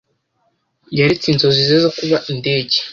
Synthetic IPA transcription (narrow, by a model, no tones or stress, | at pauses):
jaɾit͡sinzozizezokuβaʔinde̞ːɟe̥